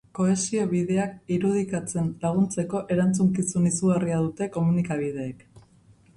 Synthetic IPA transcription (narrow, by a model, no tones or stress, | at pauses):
ko̞e̞sio̞βiðe̞akiɾuð̞ikat͡se̞nlaɣ̞unt͡se̞ko̞ʔe̞ɾant͡suŋkisunisuɣariaðut̪e̞ko̞munikaβ̞iðe̞ːk